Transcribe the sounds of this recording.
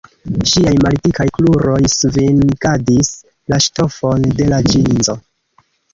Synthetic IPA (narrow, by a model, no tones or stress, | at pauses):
ʃiajmalitikajkluɾo̞jsvinɡadis | laʃto̞fo̞nde̞lad͡ʒinzo̞